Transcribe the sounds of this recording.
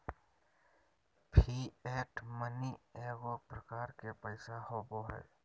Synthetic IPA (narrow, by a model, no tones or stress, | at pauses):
pʰiːɛːʈmənieːɡopɾəkaːɾkepəɪsahoːboɦɛ̰ː